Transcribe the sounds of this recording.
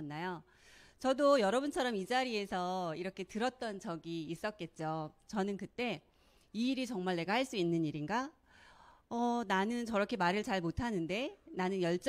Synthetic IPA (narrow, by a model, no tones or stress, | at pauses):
nːajo | t͡ɕʌdojʌɾʌbunt͡ɕʰʌɾʌmid͡ʑaɾie̞sʰʌiɾʌkʰe̞tɯɾʌt̚t͈ʌnt͡ɕʌɡiːs͈ʌt̚k͈e̞t̚t͡ɕ͈ot͡ɕʌnɯnkɯt͈e̞ | iːɾit͡ɕʌŋmaɭne̞ɡaɦaɭs͈uinːɯniɾiŋɡa | ʌnanɯnt͡ɕʌɾʌkʰe̞maɾɯɭt͡ɕaɭmotʰanɯnde̞nanɯnjʌɭt͡ɕ͈